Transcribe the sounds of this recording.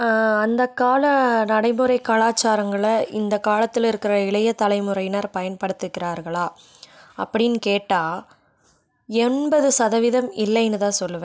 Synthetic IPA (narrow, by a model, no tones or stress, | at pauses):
ɐnd̪ɐkːaːlɐnɐɽɐɪmɯɾɐɪkːaːlaːt͡ʃːaːɾɐŋɡɐɭɐɪnd̪ɐkaːlɐt̪ːɪlɪɾɯkːɪrɐɪɭɐjɐt̪ːɐlɐɪmɯɾɐɪjnɐɾpɐjɐnpɐɽɯt̪ːɯkːɪraːɾɣɐɭaː | ɐ̰pːɐɽɪnkeːʈːaː | ɛnbɐðɯsɐðɐʋɪðɐmɪlːɐɪɛnːɯðãːsɔlːɯʋɐ